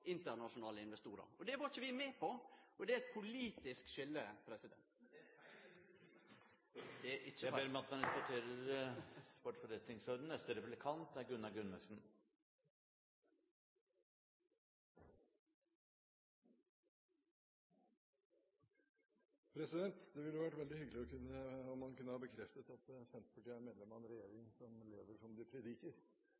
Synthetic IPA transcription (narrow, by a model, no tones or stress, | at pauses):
ɪnt̪əɾnɑʃʊnɑːləɪnʋɛst̪uːɾə̰ɾɔd̪ɛʋɑːɾçəʋɪmeːpʰɔɔd̪ɛæɛt̪̚pʰʊliːt̪ɪskʃʏlːəpʰɾɛsɪd̪ɛ̰nt̪ | d̪ɛæʔɪːəæbeːɾmɛɑt̪̚mɛnɛfɔʈ̪ʰeːɾəɾ | bɔʈfɔɾɛt̪nɪŋsød̪nœst̪əɾɛpʉblɪkʰɑnt̪æɾɡʉnːɑɡʉnːəsn̩ | pʰɾɛsɪd̪ɛnt̪d̪ɛʋɪljʋæʈːʋɛld̪ɪhʏɡəlɪɔkʰʉnːəɔmːɑnkʉnːəhɑɾbəkʰɾɛft̪ət̪ɑt̪sɛnt̪pʰɑʈiːænmɛd̪ɛmɑnɾɛjḛːɾɪŋsɔmleːʋəʂɔmd̪ɪpʰɾɛd̪ikəɾ